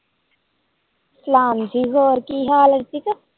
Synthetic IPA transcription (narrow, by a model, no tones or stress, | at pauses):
slaːmziːɡoːɾkiːɦaːlɐɾt̪ikɐ